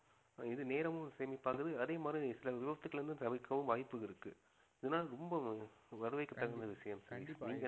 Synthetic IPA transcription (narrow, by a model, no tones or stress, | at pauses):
ɪðɯneːɾɐʋɯseːmipːaːɾkɯðɯɐðeːmaːd̪ɾisɪlɐʋɪbɐt̪ːɯkːɐɭɪɾnd̪ɯsɐʋɪkːɐʋɯ̃mʋaːjɪpːɯɪɾɯkːɯ | ɪðɐnːaːɾɔmbɐʋɐɾɯʋɐɪkːɯt̪ːɐɣɐɾnd̪ɐʋɪʂɐjɐmsɐɾiniːŋɡɐ